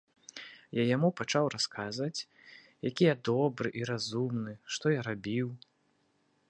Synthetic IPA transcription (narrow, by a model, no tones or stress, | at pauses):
jajamupat͡ʂawraskazvɐt͡sʲ | jakʲijad̪ɔbɾɨʔiɾazumnɨʂt̪ɔjaɾabʲiw